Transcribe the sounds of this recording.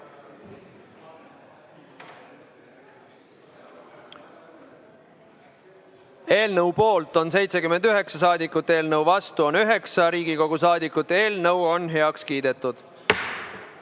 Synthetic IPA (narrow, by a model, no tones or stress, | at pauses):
e̞ːlnəwpo̞ːlt̪ˑo̞ns̬e̞jt̪se̞kymend̪yɦe̞ksɑs̬ɑːd̪ikːˑut̪ːˑeːlnəwvɑst̪uonyɦe̞ksɑɾiːɡiko̞ɡ̥usɑːd̪ikːˑut̪ːeːlnəwo̞nɦe̞ɑkskiːd̪̥e̞t̪ːˑud̪̥